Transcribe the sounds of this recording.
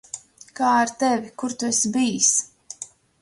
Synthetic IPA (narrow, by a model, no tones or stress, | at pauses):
kaːaɾt̪ɛvʲikuɾt̪uesbijs